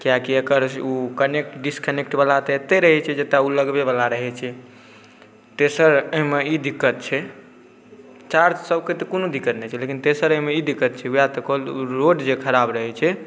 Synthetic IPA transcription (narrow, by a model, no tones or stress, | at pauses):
kijakiəkəɾukənek̚ʈɖiskənekʈbəlat̪et̪eɾəɦɛt͡ʃʰɛd͡ʒet̪auləɡbeβəlaɾəɦɛt͡ʃʰɛ | t̪esəɾəɦimeid̪ikːət̪̚t͡ʃʰɛ | t͡ʃaɾd͡ʒsəbket̪ekonod̪ikːət̪nɛt͡ʃʰɛlekint̪esəɾəɦimeid̪ikːət̪̚t͡ʃʰɛujat̪ɔkolɾoɖd͡ʒekʰəɾabɾəɦɛt͡ʃʰɛ